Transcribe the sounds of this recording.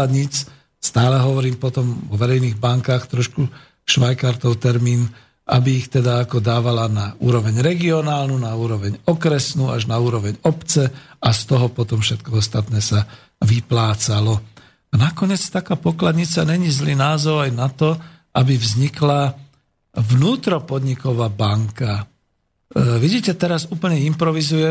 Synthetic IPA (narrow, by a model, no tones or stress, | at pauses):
ad̪ɲiːt͡s | st̪aːlɛɦɔʋɔɾiːmpɔt̪ɔmɔʋɛɾɛjniːɣbaŋkaːxt̪ɾɔʃku | ʃʋajkaɾt̪ɔʊt̪ɛɾmiːn | ʔa̰biːxt̪ɛd̪aːkɔd̪aːʋalanauːɾɔʋɛɲɾɛɡiɔnaːlnunauːɾɔʋɛɲɔkɾɛsnuːaʒnauːɾɔʋɛɲɔpt͡sɛast̪ɔɦɔpɔt̪ɔmfʃɛt̪kɔɔst̪at̪nɛːsa | ʋiplaːt͡salɔ | anakɔɲɪɛt͡st̪akaːpɔklad̪ɲit͡saɲɛɲizliːnaːzɔʊajnat̪ɔ | ʔabivzɲikla | ʋnuːt̪ɾɔpɔd̪ɲikɔʋaːbaŋka | ʋiɟiːcɛt̪ɛɾazuːpl̩ɲɛimpɾɔʋizujɛ